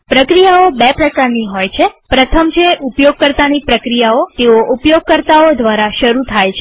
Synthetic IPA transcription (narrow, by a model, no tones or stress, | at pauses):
pɾəkɾijaobɛpɾəkaɾniɦojt͡ʃʰepɾət̪ʰəmt͡ʃʰeʔupjoɡ̚kəɾt̪anipɾəkɾijaot̪eoʔupjoɡ̚kəɾt̪aod̪ʋaɾaʃəɾut̪ʰajt͡ʃʰe